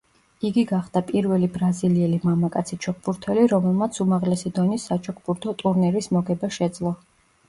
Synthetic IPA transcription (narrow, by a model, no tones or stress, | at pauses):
iɡiɡaχd̪̥apʼiɾvɛlibɾaziliɛlimamakʼat̪sʰit͡ʃʰɔk̚ʰbuɾt̪ʰɛliɾɔmɛlˠmat̪sʰumaʁlɛsid̪ɔnisat͡ʃʰɔk̚ʰbuɾt̪ʰɔt̪ʼuɾnɛɾismɔɡɛbaʃɛd̪zlˠɔ